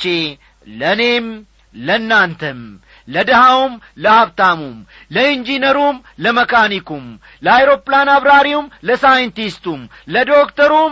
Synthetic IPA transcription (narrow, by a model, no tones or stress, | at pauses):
t͡ʃe | ləne̞m | lənːant̪ʰəm | ləd̪əhawum | ləhaβt̪ʰamum | ləind͡ʒinəɾum | ləməkʰanikʰum | ləajɾo̞pʼlanaβɾaɾiumləsajənt̪ist̪um | ləd̪o̞kt̪ʰəɾum